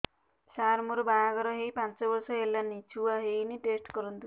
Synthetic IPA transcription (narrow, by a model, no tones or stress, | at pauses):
saɾmuɾubajaɡɔɾɔɦejpãnt͡ʃɔbɔɾsɔɦelːanit͡ʃʰuwaɦejniʈesʈkɔɾɔnt̪u